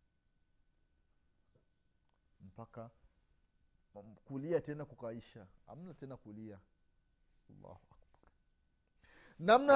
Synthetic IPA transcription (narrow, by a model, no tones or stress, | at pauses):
m̩paka | kuliatɛnakukaiʃaha̰m̩natɛnakulia | ɑlːa̰ːhuʔak̚baɾ | namna